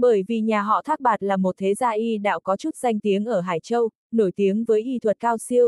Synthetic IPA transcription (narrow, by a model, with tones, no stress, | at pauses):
ɓəː˧˩jvi˨˩ɲaː˨˩ɦɔ̰˧˨t̪ʰaː˦˥k̚ɓaː˨˩t̚laː˨˩mo˨˩t̚t̪ʰe˨˦zaː˧ʔi˧ɗa̰ː˧˥wkɔ˨˦t͡ɕu˦˥t̚z̥a˧jŋ̟t̪i˨˦əŋʔəː˧˩ɦaː˧˩jt͡ɕə˧w | no˧˩jt̪i˨˦əŋvəː˨˦jʔi˧t̪ʰwə˨˩t̚kaː˧wsi˧əw